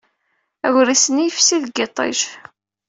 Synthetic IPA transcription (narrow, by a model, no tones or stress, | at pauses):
æɣɾisənijfsiðɡet̪ˤːḛʒ